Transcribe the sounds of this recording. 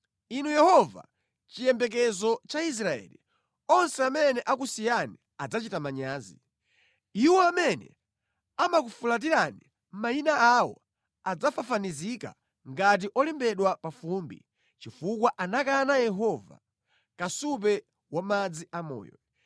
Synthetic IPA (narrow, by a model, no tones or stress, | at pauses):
inujɛhɔva̰ | t͡ʃijɛmbɛk̬ɛzɔt͡ʃais̬ɾaɛ̰lḭ | ɔnsɛamɛnɛʔakusijani | ad͡zat͡ʃitamaɲaːzḭ | iwɔamɛnɛ̰ | amak̬ufulat̬iɾani | m̩majinaawɔ̰ | ad͡zafafanizika̰ | ŋɡat̬iʔɔlɛmbɛɗwapafumbḭ | t͡ʃifuk̬waʔanakanajɛɦɔva̰ | kasup̬ɛ | wamad͡ziʔamɔ̰ːjɔ̰